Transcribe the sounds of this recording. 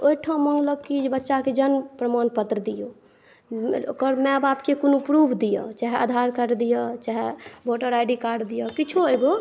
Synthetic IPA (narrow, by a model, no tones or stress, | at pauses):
oiʈʰãmɔŋɡləɡkid͡ʒbətːʃaked͡ʒənpɾəmanpət̪ɾəd̪ijo | o̰kəɾmɛ̃bapkekonupɾubʱd̪ijɔ̰t͡ʃaɦɛa̰d̪ʱaɾkəɾd̪ijɔt͡ʃaɦeboʈəɾajɖikaɾɖd̪ijɔkit͡ʃʰueɡo